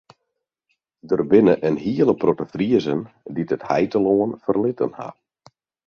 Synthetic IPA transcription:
dərbɪnəʔənɦiəlˠəprotəfriəzənditəthɛjtəloənfərlɪtə̰nha̰

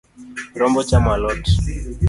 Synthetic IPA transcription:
kiɾɔmbɔt͡ʃamalɔti

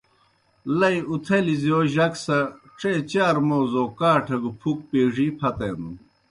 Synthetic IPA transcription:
lɐiut̪ʰɐlizijoːʑɐksɐ | ʈ͡ʂeːt͡ɕaːɾmoːzoːkaːʈʰɐɡupʰuk̚peːʐipʰɐt̪en

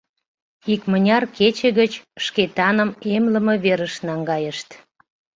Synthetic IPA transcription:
ikmənʲɑrket͡ɕəɣət͡ɕʃket̪ɑnəmemləmə̆βeɾəʃnɑŋɡɑjəʃt̪

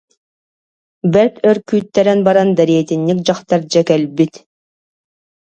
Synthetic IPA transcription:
bɛɾt̪œɾkyːt̪ːɛɾɛnbaɾand̪aɾiɛt̪inːik̚d͡ʑaχt̪aɾd͡ʑakɛlbit̪

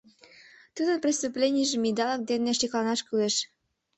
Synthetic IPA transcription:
t̪ud̪ənprʲist̪uplʲenʲijʒĕmid̪ɑlək̚d̪enːeʃiklɑnɑʃkyleʃ

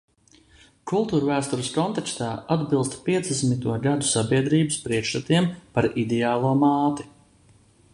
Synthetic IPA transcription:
kulˠt̪uːɾvæːst̪uɾɨskɔnt̪ɛkst̪aːad̪bilˠst̪piɛd̪zd̪esmit̪uɔɡad̪u̥sabʲiɛd̪ɾiːbəspɾiɛkʃt̪at̪iɛmpaɾid̪ɛaːlˠuɔmaːt̪i

